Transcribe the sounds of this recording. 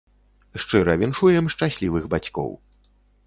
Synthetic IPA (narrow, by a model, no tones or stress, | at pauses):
ʂt͡ʂɨɾɐvʲinʂujɛmʂt͡ʂasʲlʲivɨɣbat͡sʲkɔ̰w